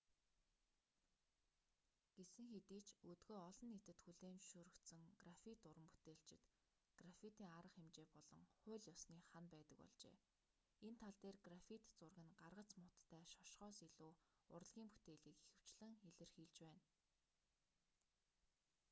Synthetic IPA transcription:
ɡ̥esɘ̆ŋxet̪iːt͡ɕɵt̪ɡoːɔɮɞ̆nːet̪ɘ̆t̪xuɮeːnʃuɾɵ̆kt̪sɘ̆ŋɡrafit̪ʊɾə̆mpu̥t̪eːɬt͡ɕɪ̆t̪ | ɡ̥rafit̪iːŋaɾə̆χemt͡ɕeːpɔɮɞ̆ŋχʊ̟ːɮjɔsniːχanpæːt̪ə̆kpɔ̰ɮt͡ɕḛː | ent̪ʰaɮt̪eːrɡrafit̪t͡sʊrɣɘ̆nɢarʁə̆t͡smʊt̪ːʰæːʃɔ̥ʃχɔːsiɮuːʊ̰r̆ɮɣʲiːŋpu̥t̪eːɮiːkexɘ̆w̥t͡ɕɮɘ̆ŋeɮɘ̆rxiːɮt͡ɕpæːn

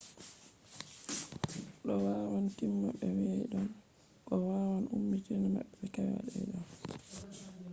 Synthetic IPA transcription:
ɗɔwaːwantimːaɓɛwiaɗɔn | kɔwaːwanʔumːitinama̰ɓɛɓɛkawa̰ɗɛ̰jɗɔn

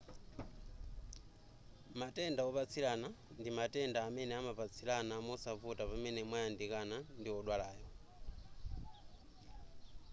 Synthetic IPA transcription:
matɛndaɔβat͡sʰilanandimatɛndaːmɛnɛamapat͡sʰilanamɔsavutapamɛnɛmwajandikanandiɔɗwalaːjɔ

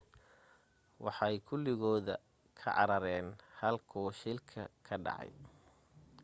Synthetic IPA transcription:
wɑħɑjkʰʊlɪɣɔːðɐ | kʰɐʕɑ̰ɾɐɾɛːnhɐlkʰuːʃɪlkʰɐkʰɐɖɑ̰ʕɑ̰j

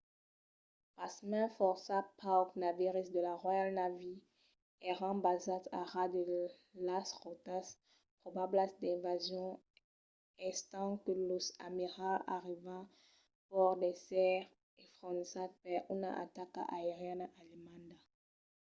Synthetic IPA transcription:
pasmɛ̃fɔʁsapʰaɔknaviʁisd̪əlaʁwajalnavi | ɛʁɑ̃bazat̪a̰ʁad̪ə | lasʁot̪as | pχobablasd̪ɛ̃vazjɔ̃ | ɛst̪ɑ̃kəlosamiʁaaʁiva | pɔʁd̪ɛsɛʁ | efʁɔ̃nisat̪̚paʁynaa̰t̪aka̰aeʁjɛnaʔalimãnd̪a

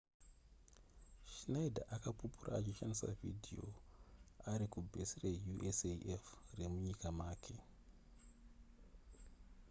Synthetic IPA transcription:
ʃinaidʱa̰ʔakapupurʔa̰ːt͡ʃiʃanisa̰vḭdʱio̞̰ | aɾikubʱesirejuʔeseʔefre̞muɲikamaːkʰe̞

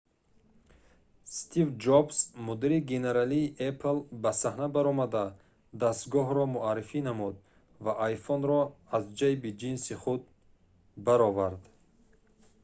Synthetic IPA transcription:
st̪ʰivd͡ʒobsmud̪iɾiɡene̞ɾaliːʔepʰlbasahnabaɾɔmad̪a | d̪ast̪ɡɔɦɾɔmuaɾːifinamud̪ | vaʔajfɔnɾɔazd͡ʒajbid͡ʒinsiχud̪̚ | baɾɔvaɾd̪

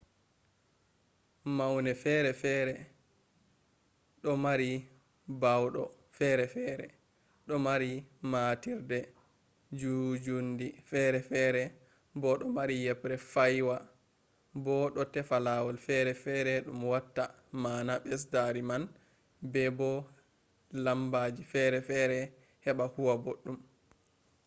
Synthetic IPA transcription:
mawnɛfɛɾɛfɛɾɛ | ɗɔmaɾi | bawɗɔ | fɛɾɛfɛːɾɛ̰ | ɗɔmaɾimatiɾdɛ | d͡ʒud͡ʒundifɛɾɛfɛɾɛ | bɔɗɔmaɾijɛpɾɛfajwa | bɔɗɔtɛfalawɔlfɛɾɛfɛɾɛɗumwatːa | maːnaɓɛs̬daɾiman | bɛbɔ | lambaːd͡ʒifɛɾɛfɛɾɛ | hɛɓahuwaboɗːum

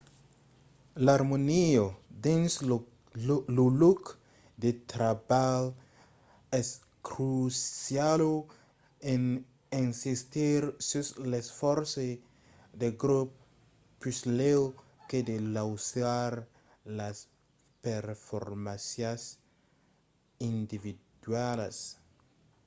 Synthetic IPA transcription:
laɾmoniod̪ẽns | luluk | d̪et̪ɾabal | ɛs | kɾusjalo | ẽn | ẽnsist̪iɾsuslesfɔɾse | d̪eɡɾupː | yslew | ked̪elawsaɾ | las | peɾfo̰ɾmasjas | ind̪ivid̪walas

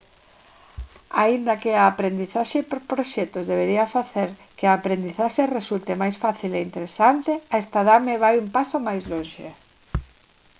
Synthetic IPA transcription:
aind̪akeaːpɾend̪iθaʃepɾpɾoʃɛt̪ozðeβ̞eɾiɐfaθeɾkeaːpɾend̪iθaʃeresult̪emajsfaθileint̪eɾesant̪eaest̪aðameβajumpasomajzlõnʃḛ

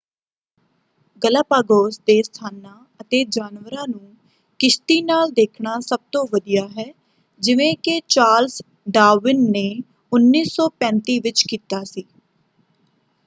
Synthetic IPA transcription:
ɡəlaːpaːɡoːsd̪eːst̪ʰaːnãː | ət̪eːd͡ʒaːnʋəɾãːnũː | kɪst̪iːnaːld̪eːkʰɳaːsəb̚t̪õːʋəd̪ijaːɦɛː | d͡ʒɪʋẽːkɪt͡ʃaːls | ɖaːʋɪnːeː | ʊnːiːsɔːpɛ̃ːnt̪iːʋɪt͡ʃkiːt̪aːsiː

